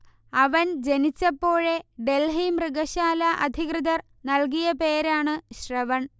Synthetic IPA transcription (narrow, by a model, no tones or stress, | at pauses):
ɐʋɐnd͡ʑe̞nit͡ɕːɐpːo̞ːɻe̞ɖe̞lɦimrɨɡɐɕaːlɐʔɐd̪ʱiɣrɨðɐr | nɐlk̬ijɐpe̞ːɾaːɳɨɕrɐʋɐɳ